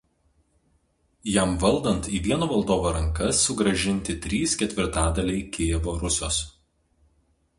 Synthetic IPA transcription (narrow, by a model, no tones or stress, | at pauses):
jæmʋɐlˠd̪ɐnt̪iːʋʲiɛnoːʋɐlˠd̪oːʋoːɾɐŋˑkɐsːʊɡɾɐʒʲɪnʲt̪ʲɪt̪ʲɾʲiːskʲɛt̪ʲʋʲɪɾt̪ɑːd̪ɐlʲɛɪkʲeːʋoːɾʊsʲoːs